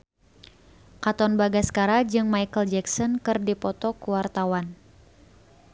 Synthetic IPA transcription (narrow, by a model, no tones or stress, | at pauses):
kat̪ɔnbaɡaskaɾad͡ʒɨŋmajkəld͡ʒɛksɔnkɨrdipɔt̪ɔkuwart̪awan